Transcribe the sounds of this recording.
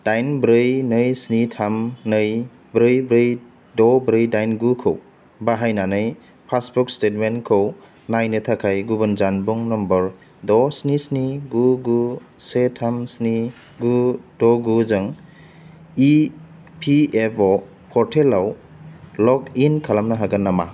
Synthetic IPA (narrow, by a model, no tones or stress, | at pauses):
d̥ajnbɾɯjnɯjsnitʰamnɯj | bɾɯjbɾɯj | dɔbɾɯjdajnɡukʰɯ̰w | baɦajnanɯj | pʰasbuk̚stet̚menkʰow | najnɯtʰakʰajɡuβɯnzanbuŋnɔmbɔɾ | dɔsnisniɡuɡu | setʰamsni | ɡudɔɡuzɯŋ | i | pʰiepʰɔ | pʰɔɾtʰelaw | lɔkinkʰalamnaɦaɡanːama̰